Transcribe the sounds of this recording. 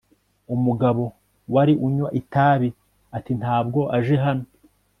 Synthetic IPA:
umuɡaβo̞ | waɾiʔuɲwaʔitaːβi | atinthaːbɡo̞ʔaʒe̞ɦano

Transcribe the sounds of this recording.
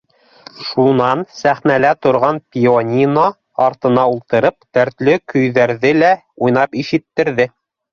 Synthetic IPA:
ʃunɑnsæχnælæt̪ŏɾʁɑnpʲionʲino | ɑɾt̪ɤ̆nɑulˠt̪ɤ̆ɾɤp̚t̪æɾt̪lɵkɵ̆jðæɾðɘlæ | ujnɑpiʃɘ̆t̪ːɘ̆ɾðɘ

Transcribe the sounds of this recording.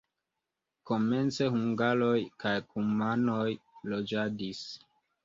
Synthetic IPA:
ko̞me̞nt͡se̞huŋɡalo̞jkajkumano̞jlo̞d͡ʒadis

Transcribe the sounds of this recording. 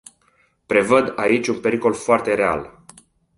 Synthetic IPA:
pɾe̞vəd̪ait͡ʃʲunpe̞ɾiko̞lfoart̪e̞ɾe̞a̰l

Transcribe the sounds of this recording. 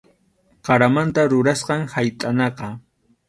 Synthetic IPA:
qɑɾamant̪aɾʊɾasqɑŋhajt̪ʼanɑqɑ

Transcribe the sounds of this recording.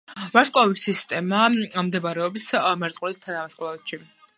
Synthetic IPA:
vaɾskʼavisist̪ʼɛmamd̪ɛvaɾɛɔbismɛɾt̪sʼqʼwlist̪ʰanamaskʼvaɛt̪ʃi

